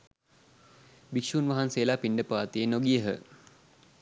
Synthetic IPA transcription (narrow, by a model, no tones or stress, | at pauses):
bikʃuːnʋaɦanseːlaːpiɳɖəpaːt̪ijenoɡijəɦə̰